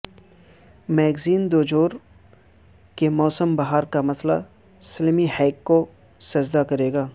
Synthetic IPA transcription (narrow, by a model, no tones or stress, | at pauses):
mɛːɡziːnd̪oːd͡ʒoːɾ | kemɔːsəmbɐɦaːɾkamɐsla̰ | sɐlmihɛːkːo | sɐd͡ʒd̪akɐɾeːɡaː